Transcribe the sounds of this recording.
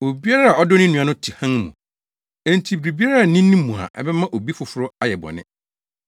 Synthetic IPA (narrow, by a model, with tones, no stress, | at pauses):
o˨bi˦a˦ɾa˦a˨ɔ˦dʊ˦nɪ̃˦nũ˨ã˨˦nʊ̃˦tʰi˨hã˦ŋmṵ̃˨ | ɛ̃˦˨n˨tʰi˨bɾi˨bi˦a˦ɾa˦a˨nĩ˦nːĩ˦mũ˨a̰˨ʔɛ̰˦bɛ˦mã˦ʔo˨bi˦fʊ˨fʊ˦ɾʊ˦a˨jɛ˨bɔ̰˨nɪ̰̃˦